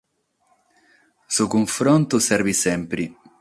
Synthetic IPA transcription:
sukoɱfɾɔnt̪osɛrvisɛmpɾi

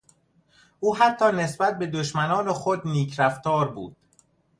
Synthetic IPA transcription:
ʔuːɦæt̪ʰːɒːne̞sbæt̪̚be̞d̪oʃmænɒːnexod̪niːcʰɾæft̪ɒːɾbṵːd̪̥

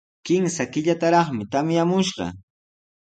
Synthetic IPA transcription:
kɪmsakɪʎat̪aɾɑχmɪt̪amjamʊʃɢɑ̰

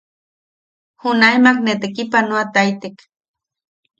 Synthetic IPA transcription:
hunajmaknet̪ekipanoat̪ajt̪ek

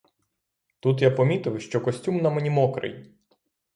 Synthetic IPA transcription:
t̪ut̪japɔmʲit̪ɪwʃt͡ʃɔkɔsʲtʲumnɐmenʲimɔkɾɪ̰j

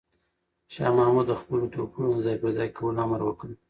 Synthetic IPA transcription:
ʃɑ̰mɑmud̪ːəxpəlot̪okunonzɑjpəɾzɑjkʰawəlɑməɾwəkəl

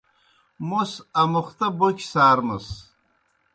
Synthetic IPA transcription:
mosɐmuχt̪ɐbokʲʰsaːɾmɨs

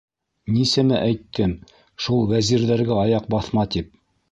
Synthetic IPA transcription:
nisæmɘʔæjt̪ʰːɘm | ʃulˠwæziɾðæɾɡæɑjɑq̚bɑθmɑt̪ip̚

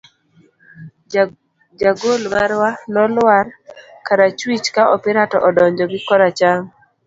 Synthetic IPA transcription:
d͡ʒaɡolmaɾwanɔlwaɾ | kaɾat͡ʃwit͡ʃkaʔɔpɪɾatɔ̰ʔɔdɔɲd͡ʒɔɡɪkɔɾat͡ʃaŋ

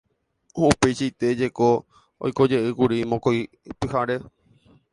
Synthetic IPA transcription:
oupe̞jʃait̪e̞d͡ʒeko | o̰jko̞d͡ʒe̞ʔɨkuɾimõkoj | pɨhaɾe̞

